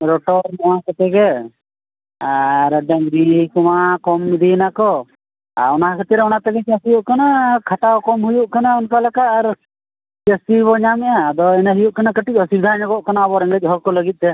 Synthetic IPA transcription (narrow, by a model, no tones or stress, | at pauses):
ɾɔʈɔɾnɔwakat̪ɛɡɛ | aɾəɖɛmɾikɔmakɔmːid̪inakɔ | a̰ɔnaɦakʰət̪ɛɾɛɔnat̪ɛɡɛt͡ʃasijuʔkanakʰaʈawkɔmɦujuʔkanaunkalakat̪aɾ | t͡ʃəst̪ibɔɲamɛʔad̪ɔɛnaɦijuʔkanakəʈik̚ɔsibd̪ʱaɲaɡɔʔkanaːbɔɾɛŋɡəc̚ˀɦɔɾkɔləɡit̪̚t̪ɛ